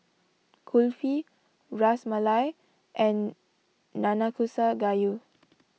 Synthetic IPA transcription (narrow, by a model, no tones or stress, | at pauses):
kʰulfi | ɹasmalaj | ʔɛ̃nː | anakʰusaɡaju